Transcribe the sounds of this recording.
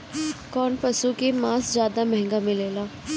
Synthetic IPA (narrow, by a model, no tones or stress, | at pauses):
kɔːnpəsukemãːszjaːd̪amɛɦɛ̃ŋɡamɪ̃leːlaː